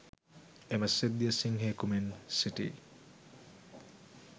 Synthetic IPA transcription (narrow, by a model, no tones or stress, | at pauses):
emɐsed̪ːiəsiŋɦeːkumensiʈḭː